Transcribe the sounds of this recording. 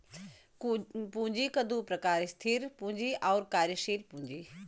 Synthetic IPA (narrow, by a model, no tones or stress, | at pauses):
pũɦɲd͡ʑikɐd̪ʱupɾɐkaːɾst̪ʰiɾpʊ̃ɦɲd͡ʑiʔɔːɾkaːɾjəʃiːɾpũɲd͡ʑiː